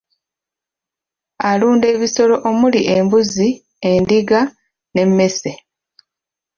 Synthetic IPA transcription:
aluːnde̞ːβiso̞lo̞ʔomuliʔembuzi | e̞ndiɡa | ne̞mːe̞se̞

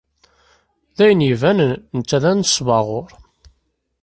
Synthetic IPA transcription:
ðæjənivænənət͡sːæðænsvɑʁoɾˤ

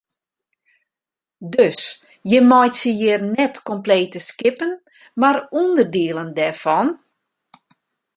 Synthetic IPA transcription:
døs | jəmɔjtsəjɪrnɛtkɔmpleːtəskɪpən | marundərdiəlˠəndɛrfɔn

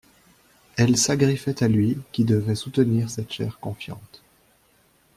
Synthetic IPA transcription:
ɛlsaɡʁifɛt̪alɥikʲid̪əvɛsut̪əniːʁsɛt̪ʃɛ̰ʁkɔ̃fjɑ̰̃t̪

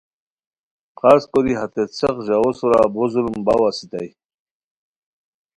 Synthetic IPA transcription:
qaskod̪iɦat̪et͡sʰeqʑaosuɾa̰buzulmbawasit̪aj

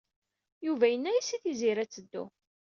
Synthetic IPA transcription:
juvæjənːæjisiθiziɾæt͡sːəd̪ːṵ

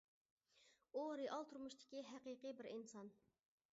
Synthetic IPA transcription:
oɾɨʔɑlˠt̪ʰuɾmuʃt̪ʰɪ̥kʲiɦæqiqɨbɪɾinsɑn

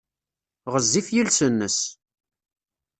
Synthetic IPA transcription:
ʁəzːifjilsənːəs

